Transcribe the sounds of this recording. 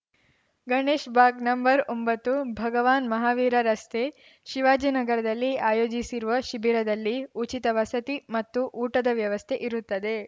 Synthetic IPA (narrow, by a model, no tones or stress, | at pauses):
ɡɐɳeːʃbaːkɡnɐmbɐɾombɐt̪ːubʱɐɡɐʋaːnmɐɦaːʋiːɾɐɾɐst̪ʰeː | ʃiʋaːd͡ʒiːnɐɡɐɾɐd̪ɐlːiaːjoːd͡ʒisiɾuʋɐʃibiɾɐd̪ɐlːiut͡ʃit̪ɐʋɐsɐt̪imɐt̪ːuʔuːʈɐd̪ɐʋjɐʋɐst̪ʰe̞ʔiɾut̪ːɐd̪e̞